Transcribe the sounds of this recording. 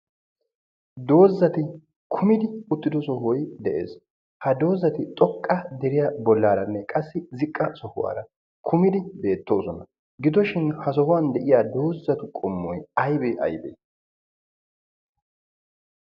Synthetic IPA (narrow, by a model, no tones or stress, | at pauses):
d̪o̞ːzːɐt̪ɪ | kʰʊmɪd̪ɪʊt̪ːɪd̪ɔsɔhɔjd̪ɛʔe̞̰ːs | hɐd̪o̞ːzːɐt̪ɪt̪ʼɔkʼːɐd̪ɛɾɪjabɔlːaːɾɐnːɛkʼɐsːɪzɪkʼːɐsɔhʊwa̰ːɾɐ | kʰʊmɪd̪ɪbe̞ːt̪ːo̞ːsɔnɐ | ɡɪd̪ɔʃɪnhɐsɔhʊwɐnd̪ɛʔɪjaːd̪o̞ːzːɐt̪ʊkʼɔmːɔjɐjbeʔɐ̰jbḛː